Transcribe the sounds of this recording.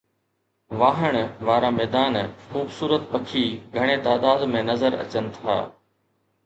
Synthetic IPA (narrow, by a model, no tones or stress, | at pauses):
ʋaːɦəɽ̃ʋaːɾamɛːd̪aːnxuːbsuːɾət̪pɐkʰiɡʱɐɽ̃et̪aːd̪aːd̪mẽnɐzəɾɐ̰t͡ɕənɪ̆t̪ʰa̰ː